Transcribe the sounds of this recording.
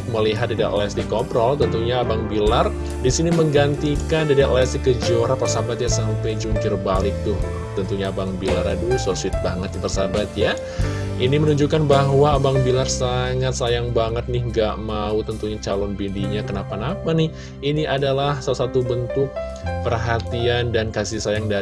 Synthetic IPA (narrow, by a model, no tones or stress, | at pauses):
k̚məliɦat̪̚dida̰ʔlɛsdikɔpɾɔlt̪ənt̪uɲaːbaŋbilar | disiniməŋɡant̪ikandidaʔ̪lɛsikəd͡ʒoɾapərsabat̪̚jasampajd͡ʒuŋkɪrbalɪk̚t̪ʊh | t̪ənt̪uɲaːbaŋbilaɾa̰dusosuɪt̪̚baŋət̪̚japərsabat̪ja | inimənuɲd͡ʒukanbaɦwaːbaŋbilarsaŋat̪̚sajaŋbaŋət̪̚nɪhŋɡaʔmaut̪ənt̪uɲat͡ʃalɔnbindiɲakənapanapanɪh | iniʔadalahsalasat̪ubənt̪ʊk̚pərɦat̪iandankasisajaŋda